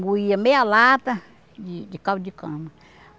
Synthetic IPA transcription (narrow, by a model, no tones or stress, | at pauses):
wiamealat̪a | d͡ʒid͡ʒikawd͡ʒikãma